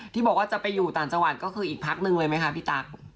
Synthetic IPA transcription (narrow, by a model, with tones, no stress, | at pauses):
t̪ʰiː˥˩bɔː˨˩k̚waː˥˩t͡ɕa˨˩pa˧jːuː˨˩t̪ɔː˨˩nt͡ɕa˧ŋwa˨˩t̪̚kɔː˥˩kʰɯː˧ʔiː˨˩k̚pʰa˦˥k̚nɯ˨˧ŋlɤː˧jma˦˥jkʰa˦˥pʰiː˥˩t̪a˦˥k̚